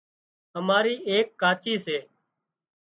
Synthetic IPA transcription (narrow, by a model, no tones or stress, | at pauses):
ɦəmaːɾiːʔeːkːaːt͡ʃiːseː